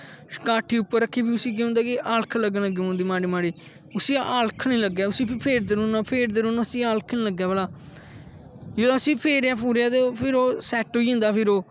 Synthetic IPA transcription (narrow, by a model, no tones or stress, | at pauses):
kaːʈʰiːʊpːəɾːəkʰːeːbiːʊsĩːk̬eːʊ̃nd̪aːkɪʔaːlkʰləɡələɡiːɦʊ̃ːnd̪iːmaːɽiːmaːɽiː | ʊsiːaːlkʰnĩːləɡːɛːʊsĩːpʰːpʰeːɾd̪eːɾũːnaːpʰeːɾd̪eːɾõːnaːʊsiːaːlkʰnĩːləɡːɛːbəlaː | jeːlːsĩːpʰeːɾaːpuːɾjaːt̪epʰɪɾoːsɛːʈoːiːɦnd̪aːpʰɪɾoː